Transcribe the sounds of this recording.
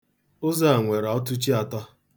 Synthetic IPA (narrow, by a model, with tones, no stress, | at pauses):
ʊ˦za˦a˨ŋʷe˨ɾɔ˦tʊ˦t͡ʃi˦a˨tɔ˦